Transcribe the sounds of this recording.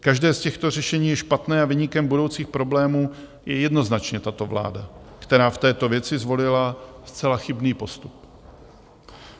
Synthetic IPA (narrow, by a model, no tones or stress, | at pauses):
kaʒdɛːscɛxt̪o̞r̝ɛʃɛɲiːjɛʃpat̪nɛːavɪɲɪkɛmbudo̞wt͡siːxpɾo̞blɛːmuː | jɛjɛdno̞znat͡ʃɲɛt̪at̪o̞vla̰ːdakt̪ɛɾaːft̪ɛːt̪o̞vjɛt͡sɪzvo̞lɪlast͡sɛlaxɪbniːpo̞st̪up